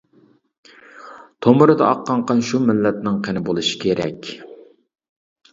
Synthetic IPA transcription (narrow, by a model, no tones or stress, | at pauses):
t̪ʰomʊɾɨd̪ɑ̰ɑqːɑɴqɑnʃumɪlːɛt̪nɪŋqʰenɪbolˠɨʃi̥kʲʰeɾɛ̰kʲ